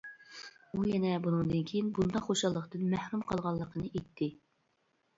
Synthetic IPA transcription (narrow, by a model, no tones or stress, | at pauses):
ujɛnɛbunɨŋd̪ɨnkʲʰejinbund̪ɑχoʃɑlˠːəqt̪ɨnmæhɾumqʰɑlˠʁɑlˠːəqʰənɨʔet̪ʰːɪ